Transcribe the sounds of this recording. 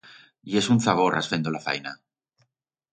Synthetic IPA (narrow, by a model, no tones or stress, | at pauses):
ie̞sunθaβoɾʔa̰sfend̪olafa̰jna